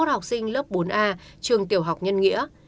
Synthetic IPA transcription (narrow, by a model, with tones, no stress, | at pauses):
t̚ha˨˩wk͡p̚sï˧ŋ̟lə˦˥p̚ɓo˨˦nʔaː˧t͡ɕɨ˨˩əŋt̪i˨˩əwɦa˨˩wk͡p̚ɲə˧nŋḭ˧˥ə